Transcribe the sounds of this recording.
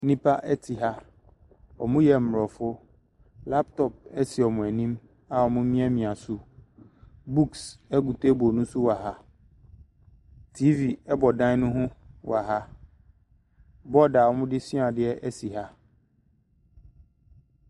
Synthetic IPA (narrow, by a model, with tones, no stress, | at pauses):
nĩ˦pʰa˦ʔɛ˦tʰɪ˨ɦa˦ | ɔ˨mʊ̃˦jɛ˨m̩˨ɾɔ˨fʊ˦ | la˦p̚tʰɔ˨p̚ɛ˦sɪ˨ɔ˨mʊ̃˨æ˨nĩ˦m | a˨ɔ˨mʊ̃˦mĩ˦ɛ˦mĩ˨a˨sʊ˦ | bu˦ksɛ˦ɡu˨te˦bɔ˨nʊ̃˦sʊ˦wa˨ɦa˦ | tʰi˦vi˨ɛ˦bɔ˨dã˦nʊ̃˦ɦʊ̃˦wa˨ɦa˦ | bɔ˦da˨ɔ˦mʊ̃˦dɪ˦sĩ˦a˨dɪ˦ɛ˦ʔɛ˦si˨ɦa˦